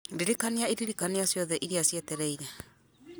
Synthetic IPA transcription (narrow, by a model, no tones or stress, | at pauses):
diɾikaniaiɾiɾikaniasjɔðɛʔiɾiasjetɛɾɛiɾɛ